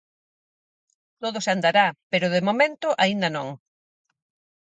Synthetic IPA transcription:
t̪oðʊsand̪aɾapeɾʊðemomẽnt̪ʊʔaind̪ɐnõŋ

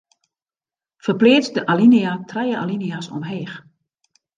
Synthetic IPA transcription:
fərpleːt͡sdəʔaliniatʰrɛjəa̰liniasɔ̰mɦeːx

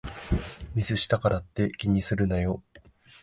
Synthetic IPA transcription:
mʲisɨɕi̥t̪akaɾat̪ːe̞kʲiɲ̟isɨɾɯ̟najo

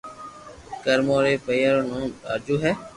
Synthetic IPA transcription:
kəɾmoːɾeːpəjjaɾoːnõːa̰ːɾd͡ʒuːɦɛː

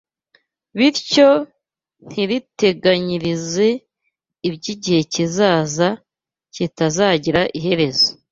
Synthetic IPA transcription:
βiɾco̞ | n̥iɾite̞ɡaɲiɾize̞ | ibɟiɟihe̞cizaːza | citazaːɟiɾaʔiɦhe̞ɾe̞zo̥

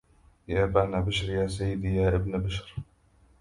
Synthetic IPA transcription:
jaːbanabaʃɾjaːsajːɪd̪iːjaːʔɪbnbaʃɾ

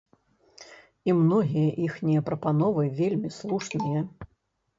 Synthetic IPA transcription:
imnɔɣʲijɐʔixnʲijɐpɾɐpanɔvɨvʲelʲmʲislˠuʂnɨjɐ

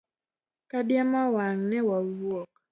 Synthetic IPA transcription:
kadjamawaŋnɛwawɔk

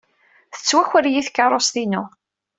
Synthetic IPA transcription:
θə̥t͡sːwæçʷəɾjiθkːɑɾˤost̪inu

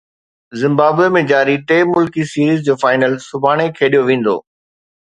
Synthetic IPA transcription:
zɪ̃mbaːbemẽd͡ʑaːɾiʈeːmʊlkisiːɾiːzd͡ʑoːfaːɪnəlsʊbʱaːɽ̃ekʰeːɗijoʋẽːn̆d̪o̰ː

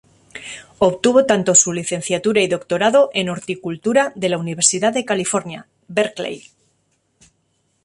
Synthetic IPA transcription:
o̞βt̪uβ̞o̞t̪ant̪o̞suliθe̞n̟θjat̪uɾaiðo̞kt̪o̞ɾaðo̞ʔe̞no̞ɾt̪ikult̪uɾaðe̞launiβ̞e̞ɾsiðaððe̞kalifo̞ɾnja | beɾklḛj

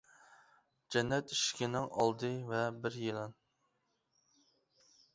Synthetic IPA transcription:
d͡ʒɛnːɛt̪iʃkʲɪnɪŋɑ̰lˠd̪ɨvɛbɪɾjelˠɑn

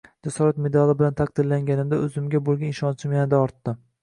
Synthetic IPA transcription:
d͡ʒasɒɾat̪me̞d̪alɪbɪlant̪ʰaq̚d̪ɪɾlaŋɡʲanɪmd̪aɵzɪmɡʲabolˠɡʲanɪʃɒnt͡ʃʰɪmjanɪd̪aɒɾt̪ːɪm

